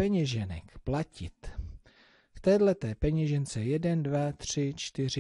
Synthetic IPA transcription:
ɛɲɛʒɛnɛ̰kplacɪ̰t̪ | ft̪ɛːdlɛt̪ɛːpɛɲɛʒɛnt͡sɛjɛdɛndvat̪r̝̥ɪt͡ʃt̪ɪr̝ɪ

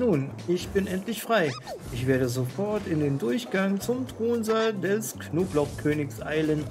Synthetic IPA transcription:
nuːnʔɪçb̥ɪnʔɛntlɪçfʁ̥aɪʔɪçv̥eːɐdəzofɔɐtɪndeːndʊɐçɡ̥aŋt͡sʊmtʁ̥oːnzaːldɛsknoːblɔχkʰøːnɪksʔaɪlən

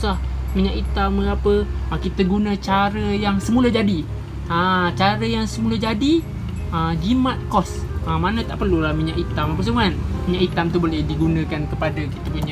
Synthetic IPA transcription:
sahmiɲaʔit̪amːəŋapəkit̪əɡunə̃t͡ʃaɾəjaŋsəmulad͡ʒadi | ət͡ʃaɾəjaŋsəmulad͡ʒadi | əd͡ʒimat̪̚kɔs | əmanət̪aʔpərlulahmiɲaʔit̪amapəs̬əmanmiɲaʔit̪amt̪ubolehdiɡunə̃kankəpadaki̥t̪əmiɲa

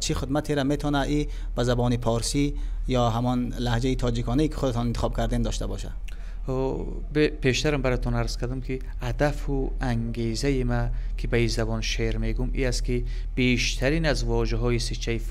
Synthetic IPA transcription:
t͡ʃʰiχid̪mat̪ʰeɾame̞t̪ʰɔnai | b̥azabɔnipʰɔɾsijɔɦamɔnlahd͡ʒait̪ʰɔd͡ʒikʰɔnaikʰi̥χud̪at̪ʰɔnint̪i̥χɔb̚kʰaɾd̪end̪ɔʃt̪abɔʃa̰d̪̥ | bpʰe̞ʃt̪aɾambaɾat̪ʰɔnaɾz̥kʰaɾd̪umkʰi | ad̪afuaŋɡezaimakʰibaizabɔnʃeɾmeɡumḭast̪̚ki | b̥eʃt̪ʰaɾinazvɔʒaɦɔisit͡ʃʰːaif

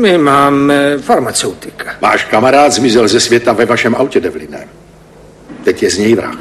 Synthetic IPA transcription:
mɪmaːmɛfaɾmat͡sɛwt̪ɪkḁva̰ːʃkamaɾaːd̪zmɪzɛlzɛsvjɛt̪avɛvaʃɛmʔawcɛdɛvlɪnɛ̰ːm | t̪ɛcjɛzɲɛjvɾa̰x

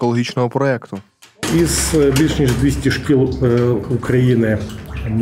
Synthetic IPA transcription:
kɔlˠɔɦʲit͡ʃnɔɦɔpɾɔɛkt̪ʊ | izbʲilʲʂnʲiʐd̪ʋʲesʲtʲiʂkʲilˠʊkɾɐjinɪm

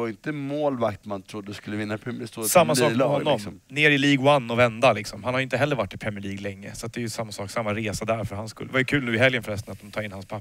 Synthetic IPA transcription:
aɾɪnt̪əmoːlvak̚t̪mant̪ʰɾʊd̪ːəskɵlːəvɪnːapʰɾɛst̪oːsamːasɔːhɔnːɔmɔmneːɾɪliːɡwanːɔvɛnd̪alɪksɔmhanhaɾjʏɪnt̪əɛlːəɾvaʈːɪpʰɾɛmɪəɭiːɡlɛŋːə̰sat̪̚d̪ɛːjɵsamːasɔːksamːaɾeːsad̪æɾfœɾhanskɵ̰lːə̰vajɵkʰʉlnʉ̟ːɪhɛljənfœɾɛst̪ənat̪̚d̪ɔmt̪ʰɑːɪnːhanspʰa

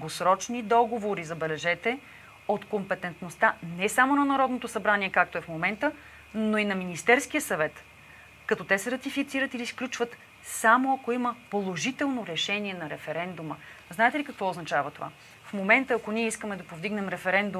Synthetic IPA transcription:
ɡosɾɔt͡ʃnid̪ɔɡovoɾizɐbɛlɛʒɛt̪ɛ | ot̪kompɛt̪ɛnt̪nost̪anɛsamonɐnɐɾɔd̪not̪osɐbɾaniɛkak̚t̪oɛfmomɛnt̪ə | noinɐminist̪ɛɾsk̟ijəsɐvɛt̪ | kɐt̪ɔt̪ɛsɛɾɐt̪ifit̪siɾət̪ilisklʲut͡ʃvət̪ | samoɐkoiməpolˠoʒit̪ɛlˠnoɾɛʃɛniɛnɐɾɛfɛɾɛnd̪umə | znaɛt̪ɛlikɐkvɔoznɐt͡ʃavət̪ova̰ | fmomɛnt̪əːkoniɛiskəmɛd̪ɐpovd̪iɡnɛmɾɛfɛɾɛnd̪u

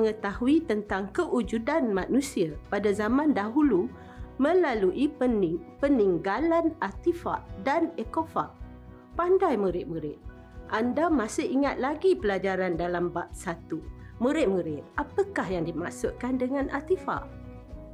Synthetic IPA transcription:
məŋət̪ahuit̪ənt̪aŋkəʔud͡ʒudanmanũsiapadazamãndaɦulu | mə̃laluʔiənpəniŋɡalanat̪ifa̰ʔdanekofa̰ʔ | pandajmuɾɪʔ̪̚muɾɪʔ̪̚ | ʔandamasɪhiŋat̪̚laɡipəlad͡ʒaɾandalambap̚sat̪u | muɾɪʔ̪̚muɾɪt̪̚apakahjaŋdima̰ʔsʊʔkandəŋãnʔa̰t̪ifa̰ʔ

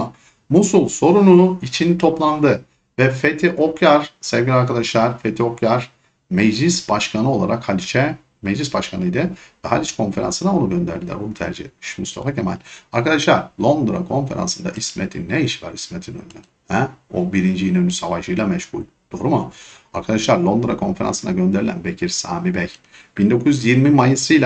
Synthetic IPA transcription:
musulˠso̞ɾunuit͡ʃʰint̪ʰo̞plˠand̪ɯ | vɛfet̪ʰiʔo̞kjaɾ̥sɛvɟʲilʲiaɾkad̪aʃlˠaɾfet̪ʰio̞kʰjaɾ̥ | mɛd͡ʒlʲisbaʃkʰanɯo̞lˠa̰ɾakhalʲit͡ʃʰɛ | mɛd͡ʒlʲisbaʃkʰanɯjd̪ɯvɛɦa̰lʲit͡ʃkʰo̞nfe̞ɾa̰nsɯnao̞nuɟø̞nd̪æ̰ɾd̪ilʲæ̰bunut̪ʰæ̰ɾd͡ʒiḛt̪̚miʃmṵst̪ʰa̰facʰema̰lʲaɾkad̪aʃlˠaɾlˠo̞nd̪ɾa̰kʰo̞nfe̞̰ɾa̰nsɯnd̪a̰ʔismet̪ʰinːɛiʃvæɾismet̪ʰinø̰nyny | hɛobiɾind͡ʒiinønysavaʃɯjlˠamɛʃhṵlʲ | d̪̥o̞ɾuma | aɾkʰad̪aʃlˠaɾlˠo̞nd̪ɾakʰo̞nfe̞ɾa̰nsɯnaɟø̞nd̪e̞ɾilʲæ̰nbecʰiɾsa̰ːmibɛj | b̥ind̪o̞kʰuzyzjiɾmimajɯsɯjlʲˠa

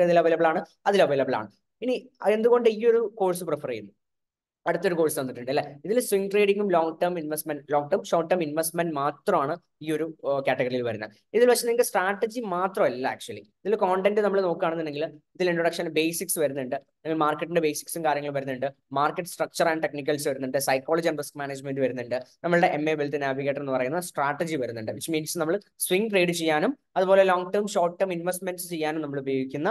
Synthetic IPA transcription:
ɐðilɐʋejlɐbɐɭaːɳɨ | ɐðilɐʋejlɐbɐɭa̰ːɳɨ | inie̞nd̪uɣo̞ɳɖɨiːo̞ɾuko̞ːɻsɨprɨfɐrɐjunːu | ɐɽɨt̪ːoɾuko̞ːɻsɨʋɐnːiʈːuɳɖɨɐlːɐiðilswiŋʈreːɖiŋɡumloːŋɡʈɐrminʋesʈmenɖloːŋ̚ʈɐmʂo̞ːʈːɐːminʋesʈmenɖmaːt̪rɐmaːɳɨ | iːo̞ɾukaːʈːɐɡɐrijilʋɐɾunːɐ̰ | iðilʋɐkʂt͡ɕːɐnːɐeŋɡilsʈraːʈːɐd͡ʑimaːt̪rɐmɐlːɐa̰ːk̚t͡ɕuɐliiðilko̞ːɳʈenɖɨnɐmːɐɭeno̞ːkːaːɳenːuɐnːɖeŋɡiliðiliɳʈrɐɽɐkʂɐnbeːsiksʋɐɾunːuɳɖɨ | nɐŋɡilmaːrkːɐʈːinɳɖebeːsi̥ksumkaːɾjɐŋːɐɭumʋɐɾunːuɳɖɨ | maːrkːeʈːɨ̥sʈrɐk̚t͡ɕɐrɐnɖʈe̞knik̬ʲːɐlsʋɐɾunːuɳɖɨsɐjkːoːɭɐd͡ʑɐnɖriskmaːneːd͡ʑmenɖɨʋɐɾunːuɳɖɨnɐmːɐɭɨɽe̞ʔemːebelt̪inːaːbʱikːeʈːɐre̞nːɨpɐrɐjunːɐsʈraːʈːɐd͡ʑiʋɐɾunːuɳɖɨʋit͡ɕːɨmiːnsnɐmːɐɭswiŋɡre̞ːɖɨt͡ɕe̞jːaːnum | ɐðubo̞ːle̞loːŋɡʈɐːmɕo̞ːrʈːɐːminʋesʈme̞nɖsɨ̥t͡ɕe̞jːaːnumnɐmːɐɭubɐjoːɡikʲːunːɐ

